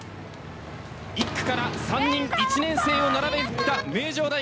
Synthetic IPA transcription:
ikːɯ̥kaɾasãɲːĩŋit͡ɕinẽ̞ɰ̃se̞ːo̞naɾabe̞ɯt̪ːame̞ːʑo̞ːd̪a

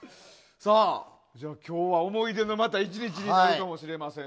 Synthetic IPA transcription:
saː | d͡ʑaːkʲʰo̞ːβaomo̞id̪e̞no̞mat̪ait͡ɕiɲ̟it͡ɕiɲ̟iaɾɯkamo̞ɕiɾe̞masẽ̞

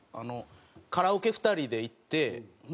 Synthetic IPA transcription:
a̰no̞ | kaɾaoke̞ɸɯ̟̥t̪aɾʲid̪e̞it̪ːe̞

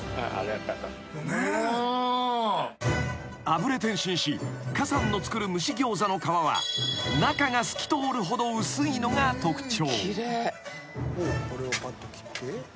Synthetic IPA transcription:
a̰a̰ɾat̪ːat̪ːa | abɯ̟ɾe̞t̪ẽ̞ɰ̃ɕĩɰ̃ɕikasãnːo̞t͡sɨ̥kɯ̟ɾɯ̟mɯ̟ɕiɡʲo̞ːzano̞kaβaβ̞a̰nakaŋasɨ̥kʲi̥t̪o̞ːɾɯ̟ɦo̞d̪o̞ɯsɨino̞ŋat̪o̞kɯ̟̥t͡ɕo̞ːiɾe | okoɾeomat̪ːokʲi̥t̪ːe

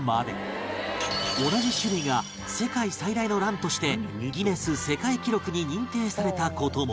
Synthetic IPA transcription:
maːd̪ḛ | o̞naʑiɕɨɾɯ̟iɡa | se̞kaisaid̪aino̞ɾãnt̪o̞ɕi̥t̪e̞ɡʲime̞sɨse̞kaikʲiɾo̞kɯ̟ɲ̟iɲ̟ĩnt̪e̞ːsaɾe̞t̪ako̞ːt̪o̞ːmo

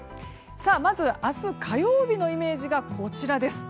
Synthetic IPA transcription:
saːmazɨasɨkʰajo̞ːbʲino̞ime̞ːʑiɡakʰo̞t͡ɕiɾad̪e̞sɨ̥

